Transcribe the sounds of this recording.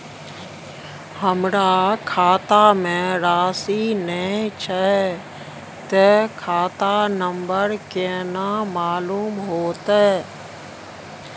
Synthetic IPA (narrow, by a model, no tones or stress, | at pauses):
həmɾakʰaːt̪amẽɾaːsinəĩt͡ʃʰə | t̪ekʰaːt̪anəmbəɾkeːnamaːluːmɦoːt̪aɛ